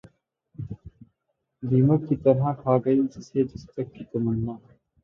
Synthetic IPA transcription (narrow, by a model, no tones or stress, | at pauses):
d̪iːmət̪̚kit̪ɐɾɦãkʰaːɡɐid͡ʒɪsed͡ʒɐst̪ɐkːik̪ɐmənːaː